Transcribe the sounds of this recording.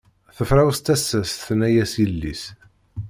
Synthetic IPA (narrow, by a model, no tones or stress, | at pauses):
θəfɾˤawst̪æsːæsθnæjæsjilːḭs